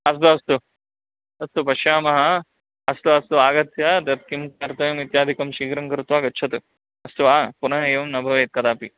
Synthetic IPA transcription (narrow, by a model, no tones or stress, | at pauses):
ɐs̬t̪uɐst̪u | ɐst̪upɐʃjaːmɐɦɐ | ɐst̪uɐst̪uaːɡɐt̪jat̪jɐt̪̚kimt̪ɐɾt̪ɐjɐmit̪jaːd̪ʱikɐmʃiːkɾɐŋkɐɾt̪uʋaːɡɐtːt͡ʃʰɐt̪u | ɐst̪uʋapunɐɦɐeːʋɐmnɐbʱɐʋɐet̪̚kɐt̪aːpi